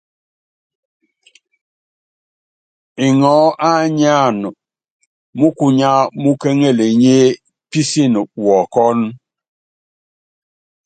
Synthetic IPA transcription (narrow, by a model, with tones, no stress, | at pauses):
i˨ŋɔ˨˦ʔa˦ɲa˦˨n˨ | mu˦ku˨ɲa˦mu˦ke˦ŋe˦˨le˨ɲe˦ | pi˦si˦˨n˨wɔ˨kɔ˦n